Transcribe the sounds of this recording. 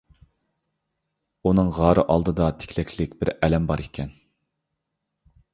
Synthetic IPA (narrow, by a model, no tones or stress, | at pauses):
unɨŋʁɑːɾɨʔɑlˠd̪ɨd̪ɑt̪ʰɪ̥kʲʰlɛkʲʰlɪkʲbɪɾɛlɛmbɑɾekʲʰɛn